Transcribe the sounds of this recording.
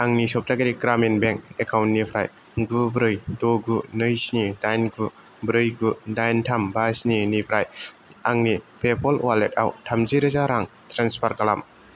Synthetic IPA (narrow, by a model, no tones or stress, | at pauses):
aŋnisɔp̚taɡaɾikɾaminbeŋkekʰawntnipʰɾa̰j | ɡubɾɯjtoɡunɯjsnidajnɡu | bɾɯjɡudajntʰambasninipʰɾajaŋnipʰepʰɔlwalet̚a̰wtʰamziɾɯzaɾaŋtɾanspʰaɾkalam